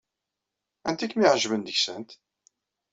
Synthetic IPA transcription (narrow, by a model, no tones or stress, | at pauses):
ænt̪ikːmiʕʒvənd̪əçsənt̪